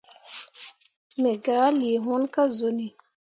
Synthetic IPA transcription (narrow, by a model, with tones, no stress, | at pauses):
me˨ɡaː˨˦li˨e˨ɦũ˦nka˦zo˨ni˨